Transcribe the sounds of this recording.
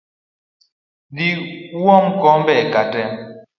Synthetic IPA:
diuɔm̩kɔmbɛkatɛm

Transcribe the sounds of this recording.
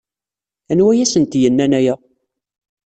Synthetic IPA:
ænwæjæsənt̪jənːænæjæ

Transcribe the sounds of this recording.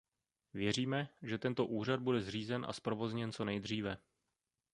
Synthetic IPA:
vjɛr̝iːmɛʒɛt̪ɛnt̪o̞ʔuːr̝ad̪̚budɛzr̝iːzɛnʔa̰spɾo̞vo̞zɲɛnt͡so̞nɛjd̪r̝iːvɛ

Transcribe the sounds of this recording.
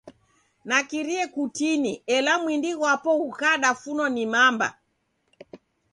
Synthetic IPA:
nakiɾiɛkutiniɛlamwindiɣwapɔukaɗafunɔnimamba̰

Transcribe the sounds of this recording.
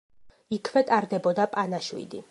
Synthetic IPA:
ikʰvɛt̪ʼaɾd̪ɛbɔd̪apʼanaʃwḭd̪ḭ

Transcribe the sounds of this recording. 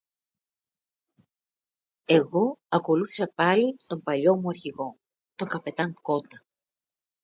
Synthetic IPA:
e̞ɣo̞ɐko̞luθi̥sɐpɐlit̪o̞mpɐʎo̞muɐɾçiɣo̞ | t̪o̞ŋkɐpe̞t̪ɐŋko̞d̪ɐ

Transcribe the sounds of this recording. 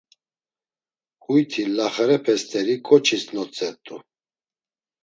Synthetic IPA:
hujt̪ʰilaχɾɛpʰɛst̪ʰʼɛɾikʼɔt͡ʃʰisnɔt͡sʼɛɾt̪ʼu

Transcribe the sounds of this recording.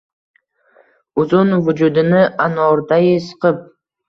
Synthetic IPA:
ʊzʊnvʊd͡ʒʊd̪ɪnɪʔanɒɾd̪ajɪsɨ̥qɨp̚

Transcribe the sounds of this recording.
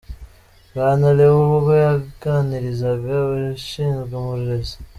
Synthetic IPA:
βaːnaleβuβoβojaɡaniɾizaβjaβaʃiːnzɡwemuɾiɾezḁ

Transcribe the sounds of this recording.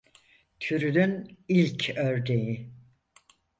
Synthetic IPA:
t̪ʰyɾynynilʲcʰøɾd̪eji

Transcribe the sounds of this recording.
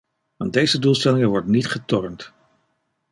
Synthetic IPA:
ʋɑn̚dejzədulˠstɛlɪŋəʋɔɹdənitχətɔrəmt

